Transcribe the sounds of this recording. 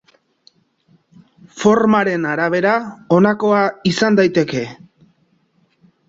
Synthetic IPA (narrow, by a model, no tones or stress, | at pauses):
fo̞ɾmaɾe̞naɾaβ̞e̞ɾao̞nako̞aisand̪ajt̪e̞ke̞